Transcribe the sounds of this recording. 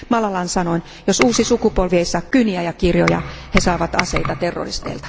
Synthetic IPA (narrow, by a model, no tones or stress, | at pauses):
mɑlɑlɑnsɑnoin | josuːsisukupolʋieisːɑːkkyniæjɑkirjojɑ̰hesɑːʋɑt̪ɑ̰seit̪ɑt̪erːo̰rist̪ḛilt̪ɑ̥